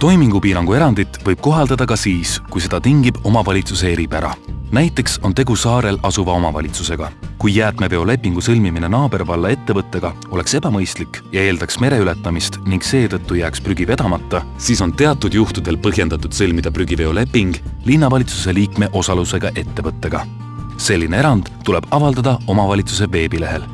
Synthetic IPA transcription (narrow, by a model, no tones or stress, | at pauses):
t̪o̞jmiŋɡ̥upiːɾɑŋɡue̞ɾɑnd̪it̪ːˑvɤjb̥̚ko̞ɦɑld̪̥ɑd̪̥ɑkɑsiːskujse̞d̪̥ɑt̪iŋɡib̥o̞mɑvɑlʲit̪suse̞eɾipæɾɑ̰næjt̪ːˑe̞kso̞nt̪e̞ɡ̥usɑːɾe̞lɑsuvɑo̞mɑvɑ̰lʲit̪suse̞ɡ̥ɑkujːæːt̪me̞ve̞o̞le̞pːˑiŋɡ̥usɤlmimine̞nɑːb̥e̞rvɑlːɑe̞t̪ːe̞vɤt̪ːe̞ɡ̥ɑ | o̞le̞kse̞b̥ɑmɤjst̪likːjɑe̞ːld̪ɑksme̞ɾe̞yle̞t̪ːˑɑmist̪niŋkse̞ːt̪ɤt̪ːujæːkspryɡ̥ive̞d̪̥ɑmɑt̪ːɑ | siːso̞nt̪e̞ɑt̪ˑːud̪̥juht̪ud̪̥e̞lpɤɦje̞nd̪̥ɑt̪ːˑud̪̥sɤlmid̪̥ɑpryɡ̥ive̞o̞le̞pːˑiŋɡ̥linːɑvɑlʲit̪suse̞liːkme̞ʔo̞sɑluse̞ɡ̥ɑʔe̞t̪ːe̞vɤt̪ˑːe̞ɡ̥ɑ | se̞lʲːine̞e̞ɾɑnd̪̥tːule̞b̥ɑvɑld̪ɑd̪̥ɑo̞mɑvɑlʲit̪sus̬e̞ve̞ːbile̞ɦe̞l